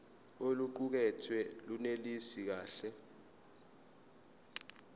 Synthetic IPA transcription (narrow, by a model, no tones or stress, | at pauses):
oluǃuk̬ɛtʰwɛlunelisik̬aːɬɛ